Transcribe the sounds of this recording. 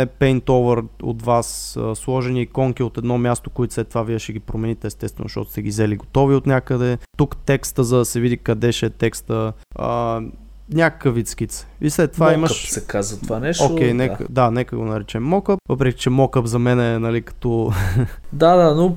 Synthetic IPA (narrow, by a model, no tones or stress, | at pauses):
ɛpɛjnt̪ɔvəɾo̰t̪vasə̰slˠɔʒɛniːkɔŋkiot̪ɛd̪nɔmʲjast̪okoit̪ʊslɛt̪ːovaviɛʃɛɡʲipɾomɛnit̪ɛːst̪ɛst̪vɛn̰ʃtɔ̰t̪st̪ɛɡʲizɛliɡot̪ɔviot̪nʲakəd̪ɛt̪ukt̪ɛkst̪əzɐd̪ɐsɛvid̪ikɐd̪ɛʃɛɛt̪ɛkst̪ə | ə̰ | nʲakə̥kəvit̪skit̪sɛ̥islɛt̪ːovaiməsɛkazɐt̪ovanɛʃokʲɛjnɛ̰d̪anɛkəɡonɐɾɛt͡ʃɛmːɔkəp̚vəpɾɛkʲi̥t͡ʃɛmɔkəpzɐmɛnɛnɐlikɐ̥t̪ɔ | d̪ad̪ano